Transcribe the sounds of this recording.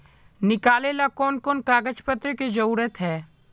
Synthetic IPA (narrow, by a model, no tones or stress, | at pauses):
nɪkaːleːlakɔːnkɔːnkaːɡəd͡ʒpət̪ɾəked͡ʒɐɾuːɾət̪ɦɛː